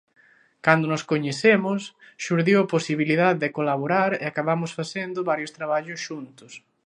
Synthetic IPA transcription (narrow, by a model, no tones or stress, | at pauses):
kand̪onoskoɲeθemʊs | ʃuɾðiwaposiβiliðaððekolaβoɾaɾḛakaβamʊsfaθend̪ʊβaɾjost̪ɾaβaʎʊsʃunt̪ʊs